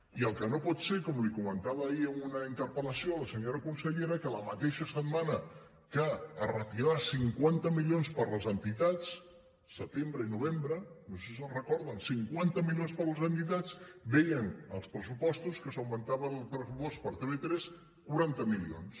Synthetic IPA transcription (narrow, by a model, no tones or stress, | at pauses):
iəlˠkənopɔt̪seɾkɔmlikumənt̪aβəːiəmunəint̪əɾpələsioləsəɲoɾəkunsəʎeɾəkələmət̪eʃəsət̪manə | kaərət̪iɾasiŋkwant̪əmilionspəɾləzənt̪it̪at͡sː | ət̪embɾəinuβ̞embɾənoseszəlˠrəkɔɾðənsiŋkwant̪əmilionspəɾləzənt̪it̪at͡sbɛjənə̰lˠspɾəsupɔst̪uskəsəwmənt̪aβəlˠpɾəsupospəɾt̪eβet̪ɾɛs | kuɾant̪əmilio̰ns